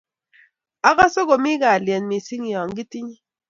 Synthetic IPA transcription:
a˦ɣa˦so˦ɡo˨mi˦ɡa˨ljɛ˨nmi˨si˦ŋi˨ɔ˨ŋɡi˦ti˦ɲi˦

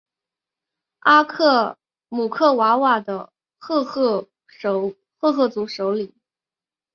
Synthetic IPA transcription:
a˥kʰɤ˥˩ | mu˨˩kʰɤ˥˩wa˧˥wa˥˨˩d̪ə˦ | xɤ˥˧xɤ˥˩˧ | ʂ | xɤ˥˧xɤ˥˩t͡su˧˥ʂo˧˥ʊli˨˩˦

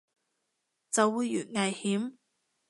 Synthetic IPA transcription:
t͡sɐ˨wːuː˨˧jːyː˨˩nŋɐ˨˩jhiː˨˥m

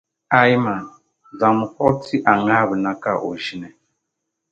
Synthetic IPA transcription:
a˨ji˦ma˨ | za˨mu˨kɔ˦ti˦ʔa˨ŋa˦˨bə˨na˦ka˦˨ʔo̰˨ʒi˦nɛ˨

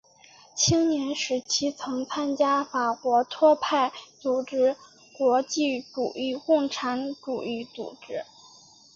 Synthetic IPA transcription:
t͡ɕʰi˥ŋnjɛ˧˥nʂɻ̩˧˥t͡ɕʰi˥t͡sʰɤ˧˥ŋt͡sʰa˥nt͡ɕja˥fa˨˩kwɔ˧˥t̪ʰwɔ˥pʰa˥˩ɪt͡su˨˩ʈ͡ʂɻ̩˥ | kwɔ˧˥t͡ɕi˥˩ʈ͡ʂu˨˩i˥˧kʊ˥˩ŋʈ͡ʂʰa˧˥nʈ͡ʂu˨˩i˥˩t͡sṵ˨˩ʈ͡ʂɻ̩˥

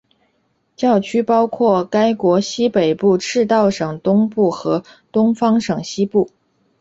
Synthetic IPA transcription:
t͡ɕjɑ˥˩ʊt͡ɕʰy˥pɑ˥ʊkʰwɔ˥˩ka˥ɪkwɔ˧˥ɕi˥pe˨˩ɪpu˥˧ʈ͡ʂʰɻ̩˥˧t̪ɑ˥˩ʊʂɤ˨˩ŋt̪ʊ˥ŋpu˥˩xɤ˧˥ | t̪ʊ˥ŋfɑ˥ŋʂɤ˨˩ŋɕi˥pu˥˩

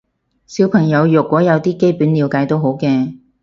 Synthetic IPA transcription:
si˨˥wpʰɐ˨˩ŋjɐ˨˧wjʊ˨˩kʷːɔː˨˥jɐ˨˧wt̪iː˥ke˥jpyː˨˥nliː˨˧wkaː˨˧jt̪o˥wɦo˨˥wkɛː˧

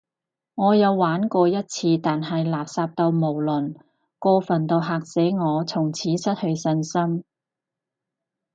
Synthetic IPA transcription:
ŋɔː˨˧jɐ˨˧wːaː˨˥nkɔː˧jɐ˥t̚t͡sʰiː˧t̪aː˨nɦɐ˨jlaː˨p̚saː˧p̚t̪o˧wmo˨˩wlɵ˨˩n | kɔː˧fɐ˨˩nt̪o˧wɦaː˨˩k̚sɛː˨˥ŋɔː˨˧t͡sʰʊ˨˩ŋt͡sʰiː˨˥sɐ˥t̚hɵ˧ɥsɐ˧nsɐ˥m

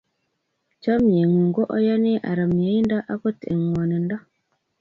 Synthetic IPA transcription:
t͡ʃɔ˦mje˨ŋu˨ŋ˨ɡo˦ʔɔ̰˦jɔ˦ne˦ʔa̰˨ɾə˨me˨˦i˦n˦da˦ʔa˦kə˦tḛ˨ŋwɔ˨nə˨n˦dɔ˦

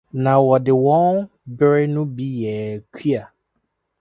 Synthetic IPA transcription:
na˨wɔ˨dɪ˨wɔ̃˦n | bɪ˦ɾɪ˦nũ˦bi˦jɛ˨kʷʰi˦a˨

